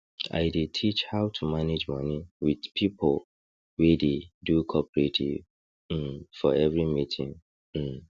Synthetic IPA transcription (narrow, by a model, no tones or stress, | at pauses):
a̰ɪdetʰit͡ʃhaʊtʰumaned͡ʒmɔ̃niwidpʰipʰol | wededukʰɔpəɹetʰḭv | m̩fɔ̰ɛvɹimitʰḭ̃ŋ̩